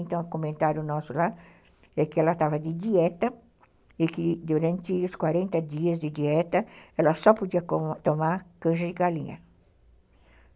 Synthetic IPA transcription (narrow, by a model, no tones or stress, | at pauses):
nt̪ɐ̃w̃komẽnt̪aɾjʊnɔsʊla | ɛkɪɛlɐt̪avɐd̪ɪd̪iɛt̪ɐ | ɪkɪd̪uɾɐ̃nt̪ɪʊskwaɾẽnt̪ɐd̪iɐzd̪ɪd̪iɛt̪ɐɛlɐsɔpod̪iɐt̪omaɾkɐ̃ʃɐɪɡalḭ̃ɲɐ̰